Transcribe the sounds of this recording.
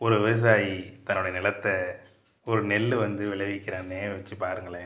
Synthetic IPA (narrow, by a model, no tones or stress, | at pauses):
ɔɾɯʋɪʋɐs̬aːjit̪ɐnːɯɽɐjɐnɪlɐt̪ːɛ | ɔɾɯnɛlːɯʋɐnd̪ɯʋɪɭɐʋɪkːɪɾaːneːʋɐt͡ʃːɯpaːɾɯŋɡɐɭeː